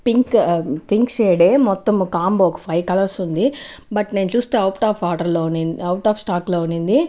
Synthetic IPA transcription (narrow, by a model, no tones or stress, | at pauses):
piŋkpiŋkt͡ʃeːɽeːmɔt̪ːɐmkaːmboːɔkɐ̥pʰɐjkɐlɐɾsund̪ibɐʈneːnut͡ʃuːst̪eːɐwʈaːpʰaːʈɐɾloːuninɐwʈaːpsʈaːkloːunind̪i